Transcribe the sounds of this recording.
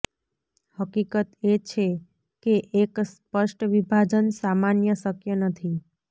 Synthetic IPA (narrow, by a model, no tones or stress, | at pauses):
həkikət̪et͡ʃʰe | keʔekspəʃʈʋibʱad͡ʒənsamanjəsəkjənət̪ʰi